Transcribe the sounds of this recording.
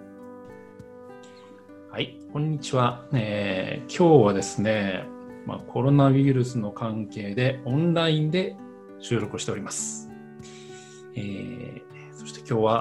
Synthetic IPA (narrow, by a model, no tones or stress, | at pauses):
haikõ̞ɲ̟ːit͡ɕiβaeːkʲʰo̞ːβad̪e̞sɨne̞ma̰kʰo̞ɾo̞naβʲiɾɯ̟sɨno̞kãŋke̞ːd̪e̞õ̞nɾaĩnd̪e̞ | ɕɨːɾo̞kɯ̟ɕi̥t̪e̞o̞ɾʲimasɨ̥ | eː | so̞ɕi̥t̪e̞̥kʲo̞ːβa